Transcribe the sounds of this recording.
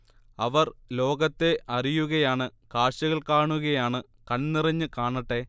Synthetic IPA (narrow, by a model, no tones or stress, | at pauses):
ɐʋɐrlo̞ːɡɐt̪ːe̞ʔɐrijuɣɐjaːɳɨkaːʂɐɣɐɭkaːɳuɣɐjaːɳɨ | kɐnnirɐɲːɨkaːɳɐʈːe̞